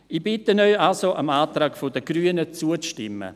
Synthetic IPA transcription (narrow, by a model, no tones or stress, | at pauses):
ibɪtənœʏalsoʔəmaːt̪raːɡfodəɡryːənət͡suəʃtɪmːə̰